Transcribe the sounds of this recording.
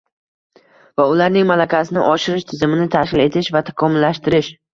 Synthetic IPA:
vaʊlaɾnɪŋmalakʲasɪnɪʔɒʃɪɾɪʃt̪ʰɪzɪmɪnɪt̪ʰakʲɪle̞t̪ʰɪʃvat̪ʰḁkʰɒmʊlːaʃt̪ɪɾɪʃ

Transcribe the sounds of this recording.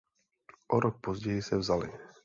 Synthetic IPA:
ʔɔɾɔk̚pɔzɟɛjisɛvzali

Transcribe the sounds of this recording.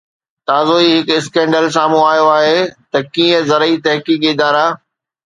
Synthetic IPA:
t̪aːzoiɦɪkɪskẽːɳɖəls̬aːmũaːjoaːɦet̪ɐkĩːə̃zɐɾəit̪ɐɦkiːkɪd̪aːɾaː

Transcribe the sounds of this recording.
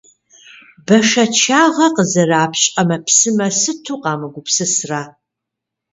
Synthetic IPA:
bɐʂɐt͡ʃʰaːʁɐqəzɐraːpʰɕʼɐmɐpʰsɨmɐsɨtʰuːqɑːmɨɡʷʊpsɨsraː

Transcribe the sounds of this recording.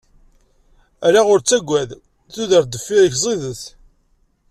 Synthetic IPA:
æɾaʁʊɾt͡sːæɡʷːæð | θuðəɾd̪əfːiɾəçzˤiðəθ

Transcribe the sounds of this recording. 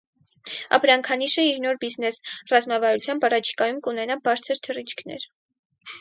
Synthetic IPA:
ɑ̰pɾɑŋkʰɑniʃəiɾnɔɾbiznɛsrɑzmɑvɑɾut͡sʰjɑmbɑrɑt͡ʃʰi̥kɑjumkunɛnɑbɑɾt͡sʰəɾt̪ʰərit͡ʃʰkʰnɛ̰ɾ

